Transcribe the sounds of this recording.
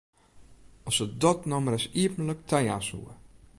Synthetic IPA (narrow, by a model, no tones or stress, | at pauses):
ɔsədɔtnɔməɾɛsiəpən̩ləktʰɛja̰shṵə